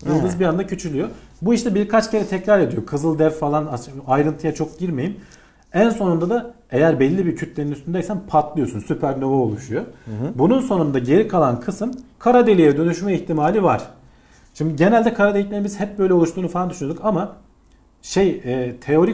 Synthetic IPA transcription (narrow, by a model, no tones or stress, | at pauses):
jɯlˠd̪ɯzbijand̪acʰyt͡ʃʰylʲyjobuiʃt̪ʰɛbiɾkʰat͡ʃcʰe̞ɾɛt̪ʰɛcɾaɾe̞d̪ijo̞kʰɯzɯlˠd̪ɛvfalˠanaajɾɯnt̪ʰɯjat͡ʃʰo̞k̚ɟiɾme̞jim | ænso̞nund̪ad̪a | ejæɾbɛlʲːibiɾcʰyt̪ʰlʲe̞ninyst̪ʰynd̪ɛjsæmpʰat̪lˠɯjo̞sunsypʰæɾno̞vaolˠuʃujo̞bununso̞nund̪aɟe̞ɾikʰalˠankʰɯsɯmkʰaɾad̪e̞lʲijɛd̪ø̞nyʃmɛiçt̪ʰimaːlʲivaɾ̥ | ʃimb̪iɟe̞nælʲd̪ɛkʰaɾad̪eiclʲeɾnibizhɛp̚bø̞jlʲɛolˠuʃt̪ʰˠuːnufalˠand̪yʃnjod̪ukama | ʃejɛːt̪ʰe̞o̞ɾi